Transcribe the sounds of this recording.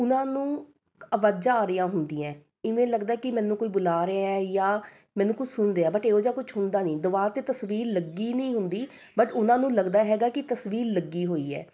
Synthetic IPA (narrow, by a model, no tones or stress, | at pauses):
ʊnãːnũː | əʋaːd͡ʒaːɾɪjãːɦʊnd̪iːɛ̃ː | ɪʋẽːləɡd̪aɛːkɪmɛ̃ːnːũːkoːiːbʊlaːɾeaɛjaː | mɛ̃ːnːũːkʊt͡ʃʰsʊnɾeaːbəʈeːoːd͡ʒaːkʊt͡ʃʰɦʊnd̪aːnĩːd̪ʊʋaːt̪eːt̪əsʋiːɾləɡiːnəĩːɦʊnd̪iː | bəʈʊnãːnũːləɡd̪aːɦɛːɡaːkɪt̪əsʋiːɾləɡːiːɦoːiːɛ̰ː